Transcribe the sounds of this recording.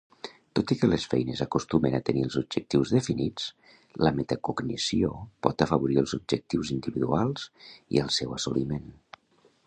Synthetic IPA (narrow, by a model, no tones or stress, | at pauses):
t̪ot̪ikələsfɛjnəzəkust̪umənət̪əniəlˠzub̚d͡ʒək̚t̪iwzðəfinit͡s | ləmet̪əkuɡnḭsiopɔt̪əfəβuɾiəlˠzub̚ʒək̚t̪iwzind̪iβiðualˠz̥ḭəlˠsɛwəsulimen